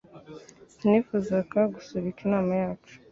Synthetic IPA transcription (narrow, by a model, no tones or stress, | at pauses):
nnifuzakaɡusuβikinaːmajaːt͡ʃu̥